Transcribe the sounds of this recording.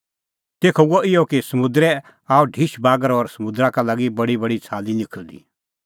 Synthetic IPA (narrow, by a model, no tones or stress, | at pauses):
t̪eːkʰoɡoʔɪjɔkisɐmʊd̪ɾɛ | aːuɖʱiʃbaːɡəɾɔːɾsɐmʊd̪ɾãkalaɡibɐɽibɐɽit͡sʰaːlinɪkʰəld̪ḭː